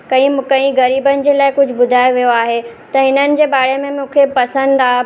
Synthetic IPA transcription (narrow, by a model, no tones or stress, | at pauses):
kɐ̃ĩmkɐ̃ĩɣɐɾiːbənɪ̆d͡ʑeːlaːɪkʊd͡ʑʱʊbʊd̪ʱaːeʋijoaːɦet̪ɐɦɪnənɪ̆d͡ʑeːbaːɽemẽmũːkʰepɐsə̃nd̪aː